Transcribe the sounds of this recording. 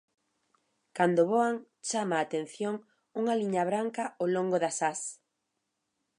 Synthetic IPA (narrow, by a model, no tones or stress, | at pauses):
kand̪oβoaŋ | t͡ʃamaːt̪ẽn̟θjoŋ | uŋaliɲaβɾaŋkɐoloŋɡoðasas